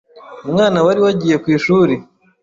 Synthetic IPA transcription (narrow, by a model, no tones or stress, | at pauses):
umŋaːnawaɾiwaɟije̞kwiːʃuːɾi